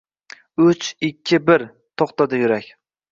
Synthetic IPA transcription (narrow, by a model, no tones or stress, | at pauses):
ʊt͡ʃɪkʲʰːɪbɪɾ | t̪ʰoχt̪ad̪ajʊɾakʲ